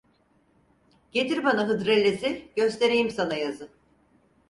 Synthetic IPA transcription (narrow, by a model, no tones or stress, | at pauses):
ɟ̥e̞t̪ʰiɾbanaɦɯd̪ɾelʲːesiɟø̞st̪ʰe̞ɾijimsanajazɯ